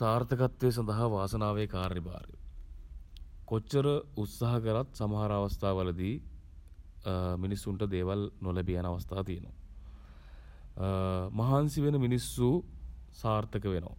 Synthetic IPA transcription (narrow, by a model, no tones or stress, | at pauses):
saːɾt̪ʰɐkɐt̪ʋeːs̬ɐnd̪ɐɦɐʋaːsɐnaːʋeːkaːɾːiba̰ːɾjṵ | kot͡ʃːɐɾəut̪sɐɦɐkɐɾɐt̪sɐmɐɦaɾaːʋɐst̪ʰaːʋɐlɐd̪i | minisːuɳʈɐd̪eːʋɐlnolɐbijɐnɐʋɐst̪ʰaːt̪ijɐno̰ | mɐɦaːnsiʋenɐminisːusaːɾt̪ʰɐkɐʋeno̰ː